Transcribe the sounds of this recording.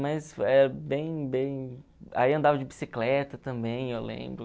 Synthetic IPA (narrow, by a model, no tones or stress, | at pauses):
mɐsfɛɾɐbẽj̃bẽj̃a̰iɐ̃nd̪avɐd͡ʒɪbisiklɛt̪ɐt̪ɐ̃mbẽj̃ewlḛ̃mbɾʊ